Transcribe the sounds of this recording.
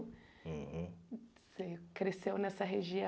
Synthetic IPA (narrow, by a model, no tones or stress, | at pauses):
sekɾesewnɛsɐɦeʒiɐ̃